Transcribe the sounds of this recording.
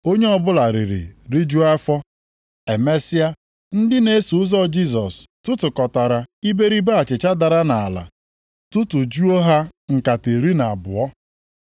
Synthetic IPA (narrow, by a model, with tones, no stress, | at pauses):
o˦ɲe˦ɔ˦bʊ˦la˨ɾi˨ɾḭ˨ɾi˦d͡ʒu˦a˦fɔ˦ | e˨me˦sɪ˦a˦ | n̩˦dɪ˦ne˦e˦su˨ʊ˦zɔ˦˨d͡ʒi˦z̬ɔ˨stʊ˦tʊ˨kɔ˨ta˨ɾa˨i˦be˦ɾi˦ba˦a˨t͡ʃɪ˨t͡ʃa˦da˨ɾa˦na˨la̰˨ | tʊ˦tʊ˨d͡ʒu˦o˦ɦa˦ŋ̩˨ka˨te˨ɾi˦na˨a˨bʊ˨ɔ˦